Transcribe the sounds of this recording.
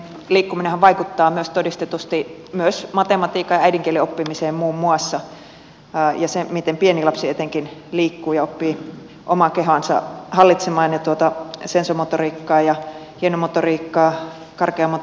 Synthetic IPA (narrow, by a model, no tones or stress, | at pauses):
liːkːuminehæʋʋɑikut̪ːɑːmyøst̪odist̪et̪ust̪imyøsmɑt̪emɑt̪iːkɑjɑæidiŋkieliopːimiseːmmuːmːuɑsːɑ | jɑsemit̪empienilɑpsiet̪eŋkinliːkːuːjɑopːiː | ʔomɑkeɦɑnsɑ̰hɑlːit̪semɑːnjɑt̪uot̪ɑsensomot̪oriːkːɑːjɑ | hienomot̪oriːkːɑː | kɑrkeɑmot̪